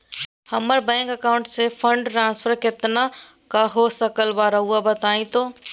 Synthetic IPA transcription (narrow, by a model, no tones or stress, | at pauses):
hɐməɾbɛ̃ːŋkɐkaːʊ̃ɳʈsefʰə̃ɳɖʈɾãːnsfʰəɾkɪt̪na | kaɦosəkəlbaːɾɐɦuabɐt̪aːĩt̪oː